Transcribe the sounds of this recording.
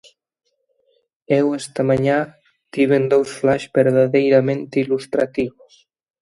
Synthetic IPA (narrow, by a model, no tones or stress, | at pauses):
ɛwest̪amaɲa | t̪iβend̪owsflaʃbeɾðaðejɾament̪ilust̪ɾat̪iβs